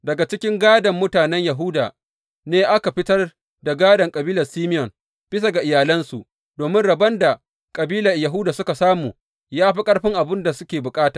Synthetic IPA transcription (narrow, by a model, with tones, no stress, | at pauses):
dɐ˨ɡa˨t͡ʃɪ˦kʲɪ˦ŋɡaː˦dɐ˨mːʊ˦taː˨nɛ˦ɲjɐ˨ɦʊ˦daː˨ | neː˦ʔa˦ka˨ɸɪ˦tɐ˦r | da˨ɡaː˦dɐ˨ŋkʼɐ˨biː˦lɐ˨rsiː˦mɪ˦jɔ˨n | bɪ˦s̬a˨ɡa˨ʔɪ˨jaː˨lɐ˦nsu˨ʔ | doː˨mɪ˦nɽɐ˨bɐ˦nda˨ | kʼɐ˨biː˦lɐ˨rjɐ˨ɦʊ˦daː˨sʊ˦ka˨saː˦muː˨ | jaː˦ɸi˦kʼɐ˦ɽɸɪ˦ŋʔa˨bɪ˦nda˨sʊ˦kʲeː˨bʊ˨kʼaː˦taː˨